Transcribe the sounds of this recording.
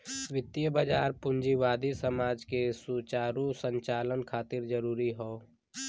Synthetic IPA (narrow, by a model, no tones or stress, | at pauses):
ʋɪt̪jəbəd͡ʒaːɾpʊnd͡ʒiʋaːd̪isəmaːd͡ʒkesut͡ʃaːɾusə̃ɲt͡ʃaːlənkʰaːt̪ɪɾd͡ʒəɾuːɾiɦoː